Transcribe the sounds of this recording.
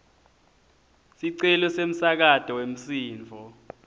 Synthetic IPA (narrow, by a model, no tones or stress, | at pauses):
siǀɛlɔsem̩sak̬atʼɔwem̩siːnvʱɔ